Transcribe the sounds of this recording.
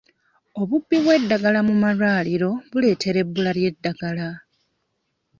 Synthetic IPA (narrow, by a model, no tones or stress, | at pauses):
o̞βubːiβwe̞dːaɡalamumaraːliɾo̞βule̞ːtʰe̞ɾe̞bːulalje̞dːaɡala